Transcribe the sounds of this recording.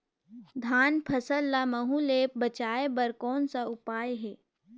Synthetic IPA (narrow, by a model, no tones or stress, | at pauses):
d̪ʱaːnpʰɐsəlːaməɦuleːp̚bət͡ʃaːebɐɾkɔːnsaʊpaːjɦɛː